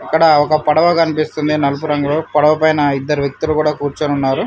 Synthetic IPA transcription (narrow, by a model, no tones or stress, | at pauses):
ɐkːɐɽɐɔkɐpɐɽɐʋɐkɐnipist̪und̪inɐlup̬uɾɐŋɡɐloːpɐɽɐʋɐpɐjnɐid̪ːɐɾuʋjɐk̚t̪ulukuːɽaːkuːɾt͡ʃenunːaːɾu